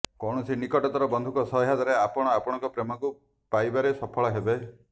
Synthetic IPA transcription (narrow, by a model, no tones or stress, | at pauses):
kɔwɽ̃ɔsinikɔʈɔt̪ɔɾɔbɔnd̪ʱukɔsɔɦɦad̪aɾeapɔɽ̃ɔapɔɽ̃ɔ̃ŋkɔpɾemɔku | pajbaɾesɔpʰɔɭɔɦebe